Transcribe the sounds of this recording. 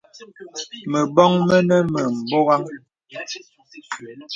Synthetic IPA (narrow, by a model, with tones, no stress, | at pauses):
mə˨bɔ˦ŋmɛ˦nɛ˦mə˨m̩˨bo˦ɣa˦ŋ